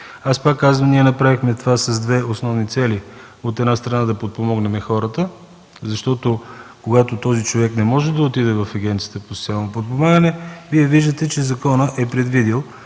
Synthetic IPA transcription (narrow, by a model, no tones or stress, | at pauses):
aspakːazvəmniɛnɐpɾavixmɛt̪ovasɐzd̪vɛosnɔvnit̪sɛli | ot̪ɛd̪nast̪ɾɐnad̪ɐpot̪̚pomɔɡnɛmɛxɔɾət̪ə | zɐʃt̪ɔt̪okoɡat̪ot̪ɔzit͡ʃovɛknɛmɔʒɛd̪ɐot̪id̪ɛvɐfɐɡʲɛnt̪sijə̥t̪əpost̪sjalˠnopot̪̚pomaɡənɛviɛviʒd̪ət̪ɛt͡ʃɛzɐkɔnəʔɛpɾɛd̪vid̪ilˠ